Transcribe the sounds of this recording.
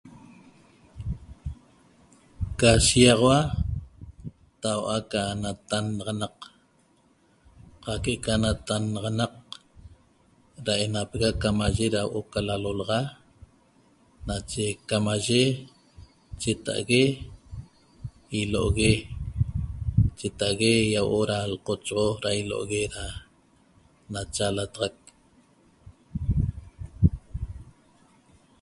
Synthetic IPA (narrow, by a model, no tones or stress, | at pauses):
kaʃiɑʁɑwa | t̪awʔakanat̪anɑʁɑnɑq | qɑkeʔekanat̪anɑʁɑnɑq̚ | ɾae̞napeɣakamaʒeɾawʔokalalolɑʁɑ | nat͡ʃekamaʒe | t͡ʃet̪a̰ʔa̰ɣe | iloʔoɣe | t͡ʃet̪aʔaɣejawʔoɾalqot͡ʃʁoɾailo̰ʔoɣeɾa | nat͡ʃalat̪ɑʁɑk̚